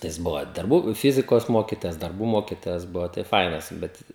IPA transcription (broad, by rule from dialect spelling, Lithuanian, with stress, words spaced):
tɐɪ ˈjɪs ˈbʊʋoː dɐrˈbuː ˈfʲɪzʲɪkoːs ˈmoːkʲɪtoːjɛs dɐrˈbuː ˈmoːkʲɪtoːjɛs ˈbʊʋoː tɐɪ ˈfɐɪnɐs ˈbʲɛt